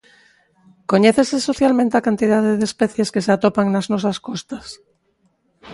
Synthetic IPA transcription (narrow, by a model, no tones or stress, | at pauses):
koɲeθeseso̞θjalmẽnt̪eakant̪ið̞aðeðespeθje̞ske̞seat̪opaŋnaznos̬askost̪as